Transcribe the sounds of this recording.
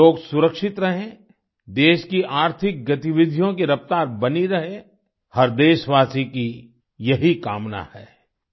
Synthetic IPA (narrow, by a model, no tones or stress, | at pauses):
oːɡsʊɾəkʃɪt̪ɾɐɦẽ | d̪eːʃkiʔaːɾt̪ʰɪk̚ɡɐt̪iʋɪd̪ʱjõkeɾɐpt̪aːɾbɐniɾɐɦe | hɐɾd̪eːʃʋaːsiki | jɐɦika̰ːmna̰hɛ̰ː